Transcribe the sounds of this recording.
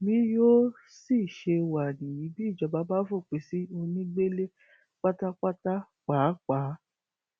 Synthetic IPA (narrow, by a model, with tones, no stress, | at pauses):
mĩ˦jo˦ | si˦˨ʃe˧wa˨nĩ˨jĩ˨˦bi˦˨d͡ʒɔ˧ba˦ba˦fo˦˨k͡pe˨˦si˦o˧nĩ˦ɡ͡be˦le˦ | k͡pa˦ta˦k͡pa˦ta˦ | k͡paː˨˦k͡pa˨˦